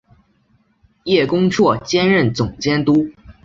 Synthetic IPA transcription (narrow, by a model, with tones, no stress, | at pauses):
jɛ˥˩kʊ˥ŋʈ͡ʂʰwɔ˥˩t͡ɕjɛ˥nɻə˥˩nt͡sʊ˨˩ŋt͡ɕjɛ˥nt̪u˥